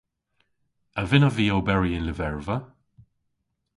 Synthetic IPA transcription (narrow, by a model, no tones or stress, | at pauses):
əvɪnəviːoːbɛɹiɪnlɪvɛɹvə